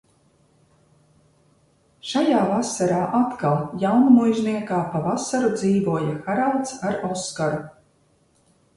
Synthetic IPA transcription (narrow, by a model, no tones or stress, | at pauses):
ʃajaːvasaɾaːʔat̪kalˠjawnumujʒniɛkaːpavasaɾud̪ziːvuɔjaxaɾalˠt̪saɾɔskaɾu